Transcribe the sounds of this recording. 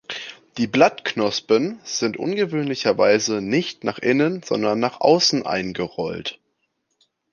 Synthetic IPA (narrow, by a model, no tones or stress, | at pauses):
d̥iːblatknɔspənz̥ɪntʔʊ̰nɡəvøːnlɪçɐvaɪzənɪçtnaːχʔɪnənz̥ɔndɐnːaːχʔa̰ʊsn̩ʔa̰ɪnɡəʁɔlt